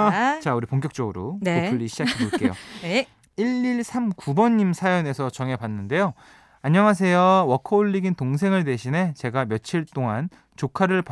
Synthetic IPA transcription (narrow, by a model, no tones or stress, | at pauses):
t͡ɕauɾipoŋk̬͈jʌk̚t͡ɕ͈ʌɡɯɾo̰noɯʎːiɕʰid͡ʑakʰidok͈ejo̰ | iɭːiɭsʰamkubʌɲːimsʰajʌne̞sʰʌt͡ɕʌŋe̞panːɯnde̞jo | aɲːʌŋas̬ʰe̞jowʌkʰʌoɭːiɡintoŋs̬ʰe̞ŋɯɭde̞ɕʰine̞t͡ɕe̞ɡamjʌt͡ɕʰiɭt͈oŋan | t͡ɕokʰaɾɯɭp